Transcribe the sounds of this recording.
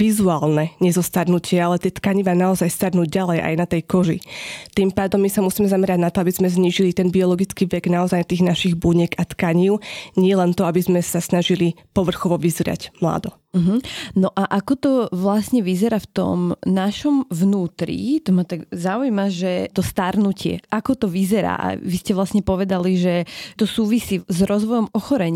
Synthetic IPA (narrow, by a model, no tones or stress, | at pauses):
ʋizuaːlˠnɛɲɛzɔst̪aɾnucɪɛalɛt̪ɪɛt̪kaɲiʋaːnaɔzajst̪aɾnuːɟɟalɛjʔa̰jnat̪ɛjkɔʒḭt̪impaːd̪ɔmːisamusiːmɛzamɛɾaɟnat̪ɔabizmɛzɲiːʒilit̪ɛnbiɔlɔɡit͡skiːʋɛɡnaɔzajnat̪iːɣnaʃiɣbuɲɛɡat̪kaɲiʊɲɪɛlɛnt̪ɔabizmɛsasnaʒilipɔʋr̩xɔʋɔʋizɾɪa̰ɟmla̰ːd̪ɔ | m̩ɦm̩nɔʔaʔakɔt̪ɔʋlasɲɛʋizɛɾaft̪ɔ̰mnaʃɔmʋnuːt̪ɾḭt̪ɔmat̪aɡzaujmaʒɛt̪ɔst̪aɾnucɪɛ̰ʔakɔt̪ɔʋizɛɾa̰ːʔa̰ʋiscɛʋlasɲɛpɔʋɛd̪aliʒɛt̪ɔsuːʋisiːzɾɔzʋɔjɔmɔxɔɾɛɲ